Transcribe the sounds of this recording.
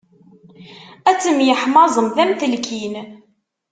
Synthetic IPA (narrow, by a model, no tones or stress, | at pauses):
æt͡sːəmjəħmɑzˤəmðæmθəlkʰin